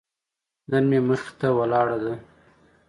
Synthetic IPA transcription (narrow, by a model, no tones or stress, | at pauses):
d̪anmeməxt̪awalɑɽad̪a